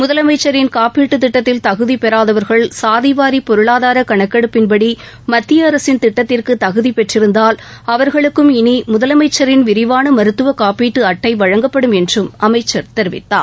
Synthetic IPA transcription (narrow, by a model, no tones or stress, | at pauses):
mʊðɐlɐmɐɪt͡ʃːɐɾɪnkaːpiːʈːɯt̪ːɪʈːɐt̪ːɪlt̪ɐɣɯðipɛɾaːðɐʋɐɾɣɐɭsaːðiʋaːɾipɔɾɯɭaːðaːɾɐkɐɳɐkːɐɽɯpːɪnpɐɽi | mɐt̪ːɪjɐːɾɐsɪnt̪ɪʈːɐt̪ːɪrkɯt̪ɐɣɯðipɛʈrɪɾɯnd̪aːlɐʋɐɾɣɐɭɯkːɯmɪnimʊðɐlɐmɐɪt͡ʃːɐɾɪnʋɪɾɪʋaːnɐmɐɾɯt̪ːɯʋɐkaːpiːʈːɯɐʈːɐɪʋɐɻɐŋɡɐpːɐɽɯmɛndrɯmɐmɐɪt͡ʃːɐɾt̪ɛɾɪʋɪ̰t̪ːa̰ː